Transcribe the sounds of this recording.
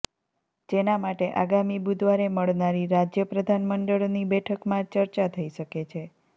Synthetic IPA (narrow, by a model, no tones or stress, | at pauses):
d͡ʒenamaʈeʔaɡamibud̪ʋaɾeməɭnaɾiɾad͡ʒjəpɾəd̪ʱanməɳɖəɭnibɛʈʰəkmãt͡ʃəɾt͡ʃat̪ʰəiʃəket͡ʃʰe